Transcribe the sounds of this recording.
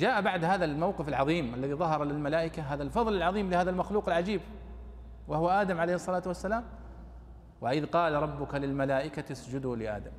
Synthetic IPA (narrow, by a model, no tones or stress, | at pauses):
d͡ʒaːʔabaʕd̪haːðalmawqɪfɪlʕɑðˤiːmʔalːaðiðˤɑɦɑɾˤɑlɪlmalaːʔɪkaɦaːðalfɑðˤlɪlʕɑðˤiːmlɪhaːðalmaxluːqɪlʕad͡ʒiːb | wahwaʔaːd̪amʕalejhɨsˤːɑlaːt̪wasːalaːm | waʔɪðqɑːlɾˤɑbːʊkalɪlmalaːʔɪkat̪asd͡ʒʊd̪ʊlɪʔa̰ːd̪am